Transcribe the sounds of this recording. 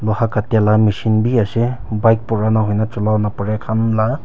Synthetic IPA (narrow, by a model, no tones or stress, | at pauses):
lɔhakatalamisinbiasɛbajk̚pɔɹanaɦɔjnat͡ʃɔlawnapɔɹɛkʰanla